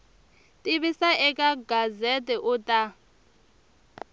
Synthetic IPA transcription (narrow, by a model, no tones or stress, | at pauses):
tʼiβisaʔɛkʼaɡazetʼɛʔʊtʼa